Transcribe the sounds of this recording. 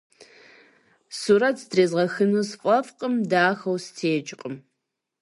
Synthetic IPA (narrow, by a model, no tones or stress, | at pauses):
suɾɐtʰdreːzʁɐxɨnuːsfʷʼɐfqʼəmdaːxɐwstʰeːt͡ʃʼɪqʼəm